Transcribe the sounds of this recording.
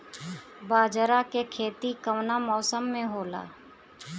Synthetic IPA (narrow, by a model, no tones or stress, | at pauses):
baːd͡ʒəɾakekʰeːt̪ikəʋnamɔːsəmːẽɦoːla̰ː